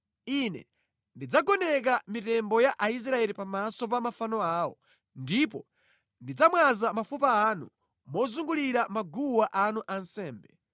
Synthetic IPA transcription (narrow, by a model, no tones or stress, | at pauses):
inɛ̰ | ndid͡zaɡɔnɛk̬amitɛmbɔjaʔais̬ɾaɛlipamasɔp̬amafanɔaːwɔ | ndipɔ | ndid͡zamwazamafupaːnṵ | mɔzuŋɡuliɾamaɡuwaʔanuʔan̩sɛːmbɛ